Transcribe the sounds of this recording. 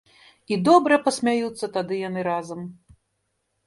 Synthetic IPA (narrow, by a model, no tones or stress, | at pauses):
id̪ɔbɾɐpɐsʲmʲajut̪sːɐt̪ad̪ɨjan̪ɨɾazɐm